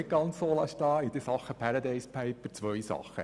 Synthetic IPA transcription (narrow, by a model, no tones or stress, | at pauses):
ɪt̚ɡ̥ɑnt͡ssoːlɑʃtɑːid̪əsɑχːəpʰæɾɑd̪ɛɪspʰɛɪpəɾt͡sʋœjsɑ̰χːə̰